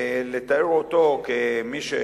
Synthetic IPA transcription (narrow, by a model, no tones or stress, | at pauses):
let̪aɾot̪okemiʃe